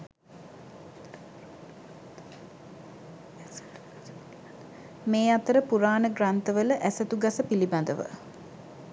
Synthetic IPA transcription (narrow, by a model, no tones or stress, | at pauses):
meːat̪əɾəpuɾaːnəɡrant̪əʋələʔæsət̪uɡasəpiliband̪əʋə̰